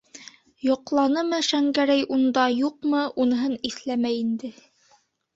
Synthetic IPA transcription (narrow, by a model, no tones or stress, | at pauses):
jŏqlˠɑnɤmɤʃæŋɡæɾæjʔund̪ɑjuqmɤʔunɤ̆ɦɤniθlæmæjind̪ɘ